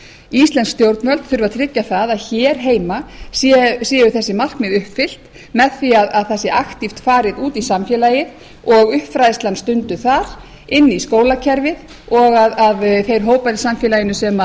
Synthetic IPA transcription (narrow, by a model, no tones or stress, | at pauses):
ist̪ɛnskst̪jowɾt̪nmœlt̪θʏɾvat̪ʰɾɪcːaθaðaðçɛːɾ̥ɦeːjmasɛsɛːjʏθɛsːɪmar̥kmɪðʏhpfɪl̥t̪ | mɛðθiaðaðθasɛɾʔaxt̪ift̪faːɾɪðuːt̪isamfjɛlajɪð | ɔɣʏhpfɾajst̪anst̪ʏnt̪ʏθaɾ̥ | ɪnːiskoːwlacʰɛɾvɪð | ɔɣaðaðfejɾ̥ɦoːwpaɾɪsamfjɛlajɪnʏsɛma